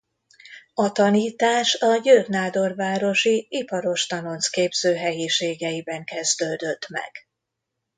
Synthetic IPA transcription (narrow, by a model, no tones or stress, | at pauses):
ɒt̪ɒniːt̪aːʃɒɟøːrnaːd̪o̞rvaːɾo̞ʃiipɒɾo̞ʃt̪ɒno̞nskeːbz̥øːɦɛjiʃeːɡɛjibɛŋkɛzd̪øːd̪ø̞t̪mɛ̰ɡ̥